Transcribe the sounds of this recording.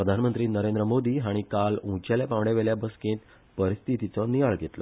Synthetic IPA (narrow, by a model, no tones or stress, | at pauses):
pɾəd̪ʱanmənt̪ɾiːnəɾend̪ɾəmod̪iːɦaɽ̃ikalũt͡ɕaljapãʋɽjaʋeɭjabəskẽːt̪ | pəɾist̪ʰit̪it͡sɔniʋaɭɡʱet̪lɔ̰